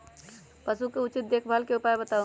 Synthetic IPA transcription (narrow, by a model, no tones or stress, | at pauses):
pəsukeut͡ʃit̪̚d̪ekʰbʱəlkeupaebət̪au